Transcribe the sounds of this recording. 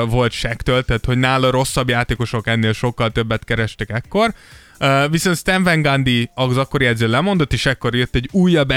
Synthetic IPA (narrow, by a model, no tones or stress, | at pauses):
vo̞lt̪ʃɛkt̪ølt̪ɛt̪ho̞ɟnaːlɒɾo̞sːɒbjaːt̪eːko̞ʃo̞kɛnːeːlʃo̞kːɒlt̪ø̞bːɛt̪kɛɾɛʃt̪ɛkɛkːo̞r | viso̞nt̪st̪ɛɱvɛŋɡɒnd̪iɒɡzɒkːo̞ɾiɛd̪zøːlɛmo̞nd̪o̞t̪ːeːʃɛkːo̞ɾjøt̪ːɛɟːuːjːɒbɛ